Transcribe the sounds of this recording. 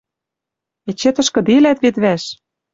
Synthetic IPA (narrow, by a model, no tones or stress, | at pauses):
et͡ɕːet̪ɤ̆ʃkɤ̆d̪ilæt̪βet̪βæʃ